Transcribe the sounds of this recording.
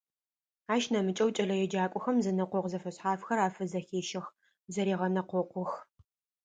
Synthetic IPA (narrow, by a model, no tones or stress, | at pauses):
aːʃnɐmɨt͡ʃʼɐwt͡ʃʼɐɮɐjɛd͡ʒaːkʷʼʊxɐmzɐnɐqʷɔqzɐfɐɕħaːfxɐɾaːfɐzɐxeːʃɐx | zɐɾeːʁɐnɐqʷɔqʷʊx